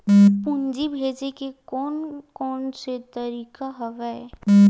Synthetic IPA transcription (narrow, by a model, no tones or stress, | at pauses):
pʊ̃nd͡ʒibʱeːd͡ʒekekɔːnkɔːnset̪əɾiːkaɦɐʋɛe